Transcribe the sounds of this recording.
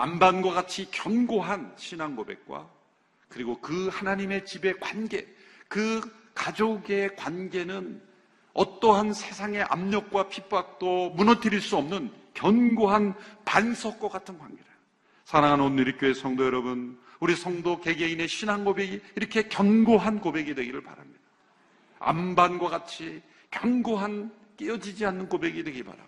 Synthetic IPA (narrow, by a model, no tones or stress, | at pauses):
a̰mbanɡwaɡat͡ɕʰikjʌnɡoɦanɕʰinaŋɡobe̞̰k̚k͈wa̰ | kɯɾiɡokɯhanaɲime̞t͡ɕibe̞kwanɡe̞ | kɯkad͡ʑoɡe̞kwanɡe̞nɯn | ʌt͈ʌɦansʰe̞sʰaŋe̞ʔa̰mɲʌk̚k͈wapʰip͈ak̚t͈omunʌtʰiɾiɭs͈uʌmnɯn | kjʌnɡoɦanpansʰʌk̚k͈ak͈atʰɯnkwanɡeɾa | sʰaɾaŋɦanoniɾik͈joe̞sʰʌŋdojʌɾʌbun | uɾisʰʌŋdoke̞ɡe̞ineɕʰinɦanɡobe̞ɡiːɾʌkʰe̞kjʌnɡoɦankobe̞ɡidwe̞ɡiɾɯɭpa̰ɾa̰mɲid̥a | a̰mbanɡwaɡat͡ɕʰi | kjʌnɡoɦan | k͈eʌd͡ʑid͡ʑianːɯnkobe̞ɡidwe̞ɡipa̰ɾa̰